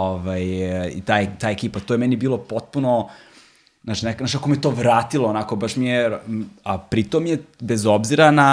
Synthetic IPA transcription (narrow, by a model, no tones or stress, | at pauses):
oʋajḭt̪aːjet̪aːjekiːpat̪ojemɛnibiːlˠo̞po̞t̪̚puno | nat͡ʃinaknaʃakomejet̪o̞ːʋɾaːt̪ilˠoːnako̞baʂmijeapɾit̪omijebezobziɾana